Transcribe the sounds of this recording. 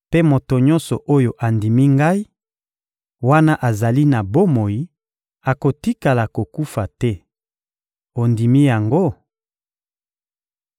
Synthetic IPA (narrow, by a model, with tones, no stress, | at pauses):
pe˦mo˨to˨ɲɔ̃˦nsɔ˨ʔo˦jo˨ʔa˨ndi˨mi˦ŋɡa˦i˦ | wa˦na˦ʔa˨za˨li˦na˨bo˦mo˨ji˦ | a˨ko˨ti˦ka˨la˨ko˨ku˦fa˨tɛ˦ | o˨ndi˨mi˦ja˨ŋɡo˦